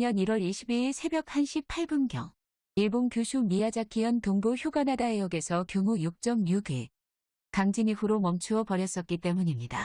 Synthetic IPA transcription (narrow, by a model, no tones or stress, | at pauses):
ɲʌniɾwʌɾiɕʰibisʰe̞bjʌk̚hanɕʰipʰaɭbɯnɡjʌŋ | iɭboŋkjusʰumiad͡ʑakʰiʌntoŋboçjuɡanadaejʌɡe̞sʰʌkjoŋujuk̚t͡ɕ͈ʌmjuɡe | kaŋd͡ʑiniɸuɾomʌmt͡ɕʰuʌpʌɾjʌs͈ʌt̚k͈it͈e̞muɲimɲida